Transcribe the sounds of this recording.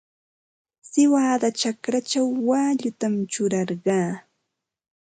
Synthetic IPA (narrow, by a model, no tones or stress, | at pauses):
sɪwaːd̪at͡ʃakɾat͡ʃawːaːʎʊt̪amt͡ʃʊɾɑɾɢɑː